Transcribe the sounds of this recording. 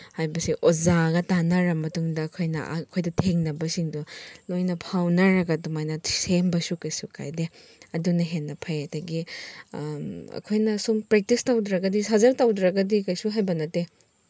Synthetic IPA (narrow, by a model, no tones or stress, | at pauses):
hajbɐsiʔozaɡɐtanɐɾɐmɐtuŋdɐːkʰojnɐ̰ʔkʰojdɐtʰeŋnɐbɐsiŋdulojnɐpʰawnɐɾɐɡɐdumajnɐsembɐsukɐjsukʰa̰jdeɐdunɐɦenːɐpʰajɐdɐɡi | ɐ̰kʰojnɐsumpɾek̚tistawdɾɐɡɐdisazɐɾtawdɾɐɡɐdikɐjsuɦajbɐnɐte